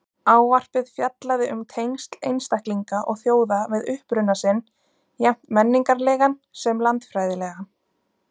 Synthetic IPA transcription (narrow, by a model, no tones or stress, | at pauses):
aːwvar̥pɪðfjat̪laðɪʔʏmt̪ʰejnst̪lejnst̪ahkliŋkaʔɔɣθjoːwðavɛðʏhpɾʏnːasɪn | jɛm̥t̪mɛnːiŋkaɾlɛːɣansɛmlant̪fɾaːjðɪlɛɣa